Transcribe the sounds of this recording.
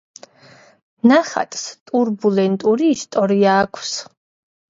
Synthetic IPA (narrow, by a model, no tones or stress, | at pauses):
naχa̰t̪ʼst̪ʼuɾbulɛnt̪ʼuɾiːst̪ʼɔɾiaːkʰws